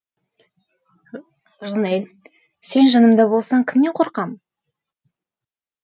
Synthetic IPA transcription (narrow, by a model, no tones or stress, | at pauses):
ʒənejl | se̞nʒɑnəmd̪ɑbo̞lˠsɑɴkʲʰɪmne̞ɴqʰo̞ɾqɑm